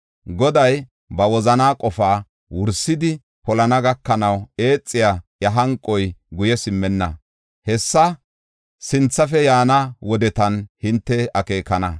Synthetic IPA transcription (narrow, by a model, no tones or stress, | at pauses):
ɡɔd̪ɐj | bɐwɔzɐnaːkʼɔfaː | wʊɾsɪd̪ɪ | pɔlɐnɐɡɐkːɐnɐwe̞ːt͡sʼːɪjajɐɦɐŋkʼːɔjɡʊjɛsɪmːɛnːɐ̰ | hɛsːɐ | sɪnt͡sːɐfɛjaːnɐwɔd̪ɛt̪ɐnhɪnt̪ːɛɐke̞ːkːɐnɐ